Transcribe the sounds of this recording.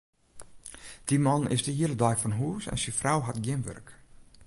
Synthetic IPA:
d̥imɔnɪ̰sdəhiələdɔjfɔnɦuəsɛ̰nsifrawɦatɡjɪmʋø̰rk

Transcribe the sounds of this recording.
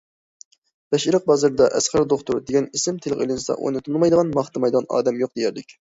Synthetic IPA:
b̥ɛʃiɾəq̚bɑzɨɾɨd̪ɑʔɛsχæɾd̪oχt̪uɾd̪eɡʲɛnisɪmt̪ʰelɨqḛlɪnsɑ̰ʔo̰jnɨt̪ʰunˠmɑjd̪əʁɑnmɑχt̪ɨmɑjd̪ʁɑnɑ̰ːd̪ɛmjoq̚d̪ejæɾlɪ̰kʲ

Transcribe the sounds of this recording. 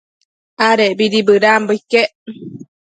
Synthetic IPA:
aɾeʔbiɾibɨɾambəikeʔ

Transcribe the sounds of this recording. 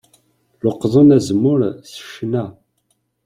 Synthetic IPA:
loqːðˤənæzmːʊɾsə̥ʃnæ

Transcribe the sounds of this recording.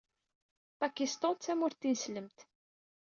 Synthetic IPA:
pækist̪ɔt͡sːæmʊɾt̪ːinsləmt̪

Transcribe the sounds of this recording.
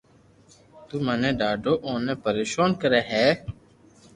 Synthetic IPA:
t̪uːmənẽːɖaːɖoːʔoːneːpəɾeːʃoːnkəɾeːɦɛː

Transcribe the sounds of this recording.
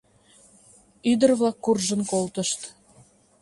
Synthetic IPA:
yd̪ərβlɑkːurʒənkolt̪əʃt̪

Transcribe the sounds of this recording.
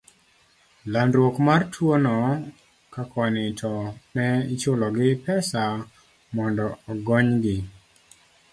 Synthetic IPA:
landɾwokmartʰwonɔ | kakʰɔnɪtʰɔnɛit͡ʃolɔɡɪpɛsa | mɔndɔɔɡɔɲɡɪ

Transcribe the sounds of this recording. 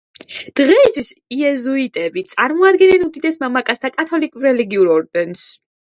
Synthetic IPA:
d̪̥ʁɛist̪ʰwisiɛzuit̪ʼɛbit̪sʼaɾmɔad̪ɡɛnɛnud̪id̪ɛsmamakʼast̪ʰakʼat̪ʰɔlikʼɾɛlɛɡiuɾɔɾd̪ɛns

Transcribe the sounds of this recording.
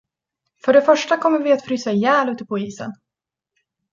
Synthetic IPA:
fœɖɛfœʂʈakʰɔmːəɾvɪat̪fɾyːsajæːlʉːt̪ːəpʰɔiːsə̰n

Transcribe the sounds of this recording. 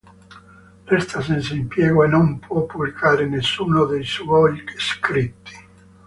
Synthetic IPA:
lɛst̪asɛnsaimpjɛːɣoenompwɔpːublikaːɾenesːuːnod̪ejsvɔʎkskɾit̪ːi̥

